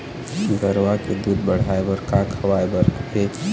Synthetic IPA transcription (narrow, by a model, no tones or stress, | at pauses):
ɡɐɾwaked̪uːd̪̚bɐɽ̤aːebəɾkaːkhɐwaːebɐɾeː